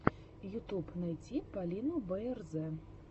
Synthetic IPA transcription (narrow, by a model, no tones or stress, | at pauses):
jut̪upnajd͡zʲipalʲinubɛɛrzɛ